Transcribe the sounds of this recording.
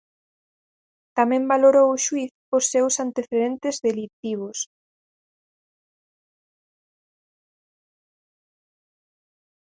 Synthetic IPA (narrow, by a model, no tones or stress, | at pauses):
t̪amɛ̃mbaloɾowʊʃwiθ | osːewsant̪eθeðent̪ezðelit̪iβ̞os